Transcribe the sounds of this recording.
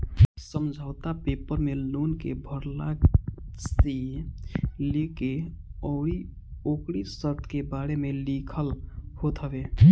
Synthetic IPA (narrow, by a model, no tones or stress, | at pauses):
səmd͡ʒʱaʊt̪apepəɾmelonkebʱəɾla | st̪i | lekeɔi | okɽisəɾt̪ʰkebaɽemelikʰəlhot̪ʰəbe